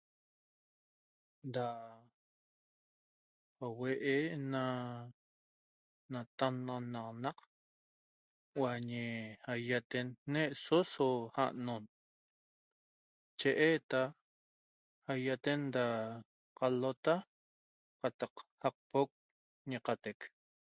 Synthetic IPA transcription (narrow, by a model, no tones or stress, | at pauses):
d̪a | haweʔena | nat̪anːnɑqnɑq | waɲehajat̪enːeʔsosoha̰ʔnon | t͡ʃeʔet̪a | hajat̪end̪a | qalot̪a | qɑt̪ɑqhaq̚pok̚ | ɲiqat̪ek